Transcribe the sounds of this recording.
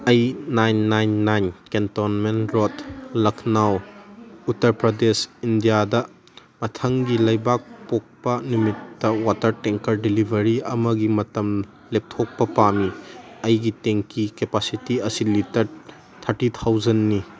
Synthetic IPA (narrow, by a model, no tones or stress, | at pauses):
ɐjnajnːajnːajnkentonmenɾotlɐkʰnawutːɐɾpɾɐdesindijadɐ | mɐtʰɐŋɡilɐjbak̚pok̚pɐnumitːɐwatɐɾteŋkɐɾdilibʱɐɾiɐmɐɡimɐtɐm | lep̚tʰok̚pɐpamiɐjɡiteŋkikepasitiɐsilitɐɾ | t̪ʰɐɾtit̪ʰawzɐnːi